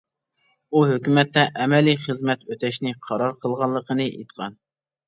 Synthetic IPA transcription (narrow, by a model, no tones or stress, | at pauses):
uɦøkʲymɛt̪ːɛʔɛmɛliχəzmɛt̪øt̪ʰɛʃnɪqʰɑɾɑɾqʰəlˠʁɑlˠːəqʰənɨʔḛt̪qʰɑn